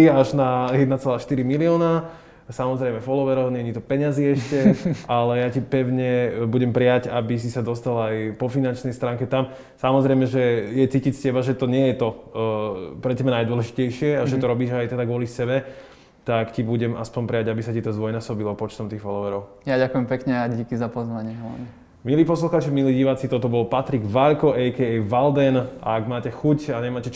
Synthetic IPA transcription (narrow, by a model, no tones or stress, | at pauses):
iaʒnajɛd̪nat͡sɛlaːʃt̪iɾimiliɔːna | samɔzɾɛjmɛfɔlɔʋɛɾɔʊɲɛɲit̪ɔpɛɲaziɛʃcɛalɛjacipɛʊɲɛbuɟɛmpɾiaɟabis̬isad̪ɔst̪alajpɔfinant͡ʃnɛjst̪ɾaːŋkɛt̪am | samɔzɾɛjmɛʒɛjɛt͡siːcicscɛbaʒɛt̪ɔɲɪɛjɛt̪ɔ | pɾɛt̪ɛbɛnajd̪wɔlɛʒicɛjʃɪɛaʒɛt̪ɔɾɔbiːʒajt̪ɛd̪aɡʋɔlisɛbɛ | t̪akcibuɟɛma̰spɔɲpɾɛjaɟabisacit̪ɔzʋɔjnaːsɔbilɔpɔt͡ʃt̪ɔmt̪iːɣfɔlɔʋɛɾɔʊ | jaɟakujɛmpɛkɲɛaɟikizapɔzʋaɲɪɛɦla̰ni | miliːpɔsluxaːt͡ʃimiliɟiːʋaːt͡sit̪ɔt̪ɔbɔlpat̪ɾiɡʋaʎkɔʔɛjkɛɛjʋald̪ɛna̰ːɡmaːcɛxucaɲɛmaːcɛt͡ʃ